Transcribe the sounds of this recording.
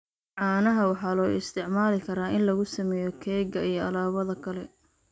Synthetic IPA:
ʕɑːnɐɦɐwɑħɑːlɔːɪst̪ʰɪʕmaːlɪkʰɐɾaːʔɪnlɐɣʊsɐmɛːjɔkʰɛːɡɐijɞɐlaːβɐðɐkʰɐlɛ

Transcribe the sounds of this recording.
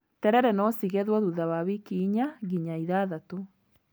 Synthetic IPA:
tɛɾɛɾɛnɔsiɣɛðwɔðuðawaβikiɲaɣiɲaiðaðato

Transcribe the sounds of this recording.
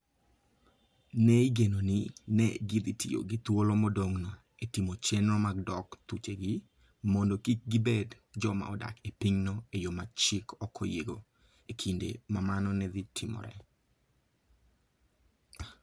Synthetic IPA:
nɛiɡenonɪnɛɡid̪itḭo̰ɡit̪wolɔmɔdoŋna | etimot͡ʃenɔmaɡ̚dɔkt̪ut͡ʃeɡi | mondokik̚ɡibed | d͡ʒɔma̰ɔda̰kepiɲnɔejomat͡ʃikʰɔkʰːɔjeɡo | ekʰindḛmamanɔnɛd̪itʰimɔ̰ɾɛ̰

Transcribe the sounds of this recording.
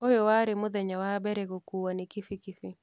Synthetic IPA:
ojowaɾɪmʊðɛɲawabɛɾɛɡokuwanɪkɪfikɪfi

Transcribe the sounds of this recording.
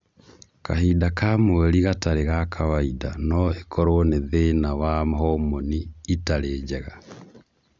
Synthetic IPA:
kahidakamoɛɾiɣataɾeɣakʰawaidanɔekʰɔɾooneðenawamɦɔmoniːtaɾeːd͡ʒɛɣa

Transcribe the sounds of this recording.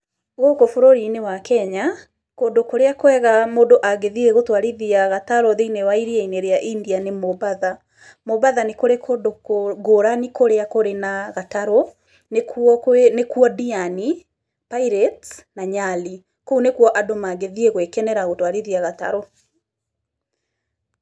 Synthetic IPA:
ɣokofoɾoɾinewakɛɲa | kodokoɾeakwɛɣamodoʔaɣeðieɣotwaɾiðiaɣataɾɔðeinewaiɾieineɾeaʔindianemoβaða | moβaðanekoɾekʰodokoɡoɾanikoɾeakoɾenaɣataɾɔ | nekɔnekuɔdiani | paiɾɛtnaɲali | kounekwɔʔadomaɣeðieɣwekɛnɛɾaɣotwaɾiðiaɣata̰ɾɔ

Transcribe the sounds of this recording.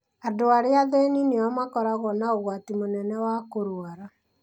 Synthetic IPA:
adoaɾeaðeninewamakɔɾaɣɔnaoɣwatimonɛnɛwakoɾwaɾa

